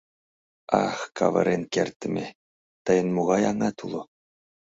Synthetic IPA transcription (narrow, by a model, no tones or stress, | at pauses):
ɑxkɑ̰ʋɤ̰̆ɾʲʔenʲkʲerʲt̪ʲːɘ̆mʲe | t̪ɤ̆jɤ̆nmuʁɑjɑŋɑt̪ulˠŭ